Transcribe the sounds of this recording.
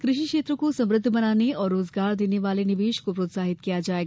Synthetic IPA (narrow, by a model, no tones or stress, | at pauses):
kɾɪʃikʃeːt̪ɾəkosɐmɾɨd̪ʱːbənaːneɔːɾːoːzɡaːɾd̪eːneʋaːleniʋeːʃkopɾoːt̪saːɦit̪kijad͡ʒaːeɡ